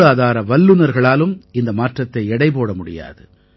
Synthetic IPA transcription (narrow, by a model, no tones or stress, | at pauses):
aːðaːɾɐʋɐlːɯnɐɾɣɐɭaːlɯmɪnd̪ɐmaːʈrɐt̪ːɐɪɛɽɐɪpoːɽɐmʊɽɪ̰ja̰ːðɯ